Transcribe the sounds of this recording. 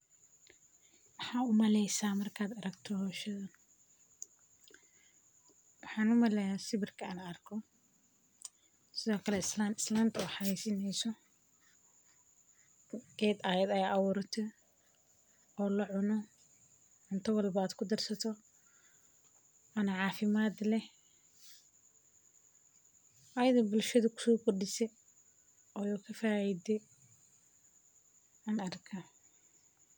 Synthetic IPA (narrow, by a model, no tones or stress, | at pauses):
wɑħɑːʊmɐlɛjsaːmɐrkʰaːd̪ɐɾɐɡt̪ʰɔhːʃɐðɐn | wɑħɑːnʊmɐlɛjasɪβɪrkʰɐanɐɐrkʰɔ | sɪðɔːkʰɐlɛsaɪslant̪ʰɔːħɑɛsɪnɛjsɔ | ɡɛːd̪ɐjɛd̪ɐjaːʔɐwʊɾɐt̪ʰɔ | ɔːlɐʕʊnɔ | ʕʊnt̪ʰɐwɐlbɐaːd̪kʰʊd̪ɐrsɐt̪ʰɔ | ɐnɐʕɑːfɪmaːd̪lɛ | ʔɐjɐðɐbʊlʃɐðɐkʰʊ̥sɔːɡʊrɖɪsɛ | ɔjukʰɐfaːjid̪ɛ | ɐɐrkʰa